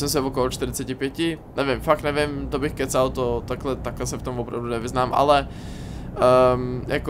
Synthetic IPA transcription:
sɛmsivokolot͡ʃt̪ɪɾɪt͡sɛcɪpjɛcɪnʔɛvɪmfak̪̚nɛvɪmt̪obɪxkɛt͡salt̪ot̪aklɛt̪aklɛsɛft̪omvopɾa̰vdunɛvɪznaːmʔa̰lɛ | jak

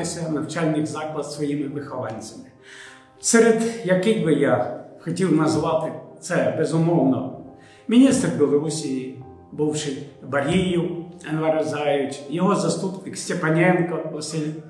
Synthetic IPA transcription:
ɪsʲɐnɐwt͡ʃɑlʲnɪkzɑklˠɐd̪sʋɔjimɪpɪxɔlˠɑnʲt͡sʲɐmɪ | sɛɾed̪jɐkɪjbɪjaxɔtʲiwnɐzʋɑt̪ɪt̪sɛbezʊmɔwnɔ | mʲinʲist̪rbʲɛlˠɔɾusʲiji | buwʃɪbɐɾʲijʊɛnʋɐɾɐzɑjʊtʲjɔɦɔzɐst̪upnɪksʲtʲepɐnʲɛnkɔɔsʲilʲ

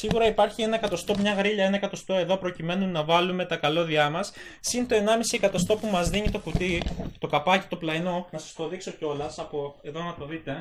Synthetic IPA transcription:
siɣuɾɐipɐɾçie̞nɐekɐt̪o̞st̪o̞mɲɐɣɾiʎɐe̞nɐekɐt̪o̞st̪o̞e̞ðo̞pɾo̞cime̞nunɐvɐlume̞t̪ɐkɐlo̞ðiɐmɐsː | int̪o̞e̞nɐmisiekɐt̪o̞st̪o̞pumɐzðiɲit̪o̞fut̪it̪o̞kɐpɐci̥t̪o̞plɐino̞nɐsɐ̥st̪o̞ðikso̞ceo̞lɐsɐpoe̞ðo̞nɐt̪o̞ðit̪e̞

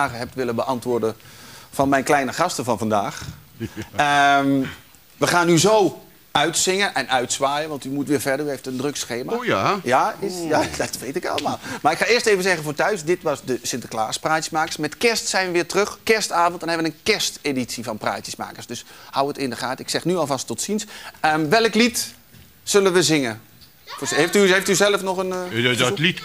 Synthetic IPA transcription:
aːɣəɦɛp̚tʋɪləbəʔɑntʋʊːrdəfɔnmɛjnklɛjnəχɑstəvɔnvandaːx | ə | ʋəχaːnːyzoː | œɥtsɪŋənʔɛnœɥtsʋaːjəʋɑntymutʋɪːɹfɛrdəryɦejftəndrøksxeːmajaɪjad̥ɔtʋejtɪkɑ̰lˠəmaːlˠmaɪkxaɪːəsteːvənzɛɣənfoːtœɥsdɪtʋɔsdəsɪntəkla̰ːspraːtjəsmaːkə̥rsmɛtkɪstsɛjnʋəʋɪːtrøxkɪrstaːvɔntdɔnɦɛbʋənənkɛsteːditsivɔnpra̰ːtjəsma̰ːkərsdøshawətɪndəχaːtɪksɛxnyɔlˠvastɔtsinsəʋɛlˠəklit | sølənʋəzɪŋə | feftyɦeftyzɛlˠəfnɔxənlit

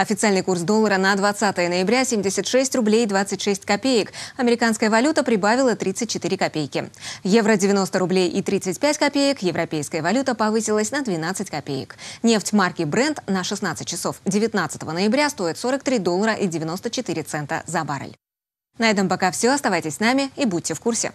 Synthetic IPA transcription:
ɐfʲɪt̪sɨalʲnɨjkursd̪olˠːəɾənəd̪vɐt̪sat̪əjənəjɪbɾʲasʲemʲdʲɪsʲət̪ʂɛsʲtʲrʊblʲejɪd̪vat̪sɨtʲʂɛsʲtʲkɐpʲejɪkɐmʲɪɾʲɪkanskəjəvɐlʲut̪əpɾʲɪbavʲɪlˠət̪ɾʲit̪sɨt̚ʲt͡ɕːɪt̪iɾʲɪkɐpʲejkʲɪ̰jevɾədʲɪvʲɪno̞st̪əɾʊblʲejʔit̪ɾʲit̪sɨtʲpʲætʲkɐpʲejɪkjɪvɾʔɐpʲejskəjəvɐlʲut̪əpɐvɨsʲɪlˠəsʲnəd̪vʲɪn̪at̪sɨtʲkɐpʲejɪ̰knʲe̞ftʲmarkʲɪbɾɛnt̪nəʂɨsnat̪sɨtʲt͡ɕːɪso̞fdʲɪvʲɪt̪nat̪sə̥t̪əvənəjɪbɾʲast̪o̞ɪt̪so̞ɾəkt̪ɾʲid̪o̞lˠːəɾəʔidʲɪvʲɪno̞st̪ət͡ɕɪt̪ɨɾʲɪt̪sɛnt̪ə̰zɐba̰ɾə̰lʲ | nɐɛt̪əmpɐkafsʲoɐst̪ɐvajtʲɪsʲsnamʲɪibudʲtːʲɪfkursʲɪ̰

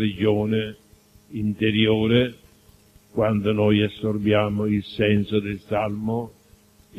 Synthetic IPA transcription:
ɾɪd͡ʒɔːnɪ | int̪eɾjoːɾɪ | kwand̪ʊnɔjasːorbjaːmʊilsɛnsod̪ɪlsalmʊ

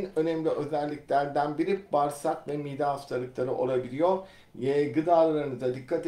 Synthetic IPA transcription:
nø̞nɛmlʲiʔø̞zælʲːiclʲæɾd̪ænbiɾibaɾsakvɛmiːd̪aast̪ʰalˠɯklˠaɾɯʔo̞̰lˠabilʲijo̞ɾ | jeɡɯd̪aːlˠaɾɯnɯzd̪ad̪ikʰːat̪

